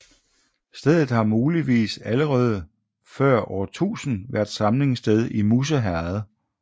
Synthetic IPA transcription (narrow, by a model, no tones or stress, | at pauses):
sd̥eð̰ˠð̩ˠhɑ̈muːliʋḭːsæləʁɛːð̞̩ˠə | fɶɐ̰ɒɐt͡sʰṵːsn̩ʋæɐd̥sɑ̈mle̝ŋsd̥eð̞ˠimus̬əɦæɐð̩ˠ